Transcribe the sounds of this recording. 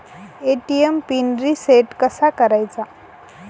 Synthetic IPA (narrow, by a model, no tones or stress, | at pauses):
eʈiempinɾiseʈkəsakəɾajt͡sa